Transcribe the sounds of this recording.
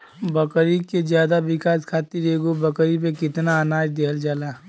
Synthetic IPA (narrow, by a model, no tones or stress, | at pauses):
bɐkɾikezjaːd̪aʋɪkaːskʰaːt̪iɾeːɡobɐkɾipekɪt̪naːnaːd͡ʒd̪eɦəld͡ʒaːlaː